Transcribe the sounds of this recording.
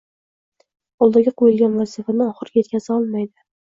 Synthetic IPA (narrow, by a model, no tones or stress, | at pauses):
ɒlˠd̪aɡʲaqʰojɪlɡʲanvazɪfanɪɒχɨɾʲjet̪̚kʲʰazɪɒlˠmajd̪ɪ